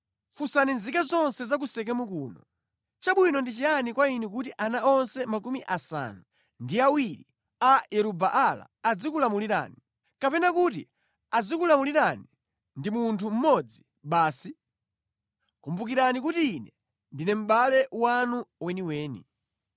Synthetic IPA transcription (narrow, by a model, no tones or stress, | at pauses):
fusaninzikazɔnsɛzak̬usɛk̬ɛmukuːnɔ | t͡ʃaɓwinɔndit͡ʃijanikwainɛk̬utiʔanaɔnsɛmakumiʔasa̰nu | ndiawiɾḭ | ajɛɾubaʔala̰ːd͡zikulamuliɾa̰ni | kapɛnakutḭ | ad͡zikulamuliɾani | ndimuntʰum̩mɔd͡zi | ɓaːsi | kumbuk̬iɾanik̬utiːnɛ | ndinɛm̩ɓalɛwanuwɛniwɛːnḭ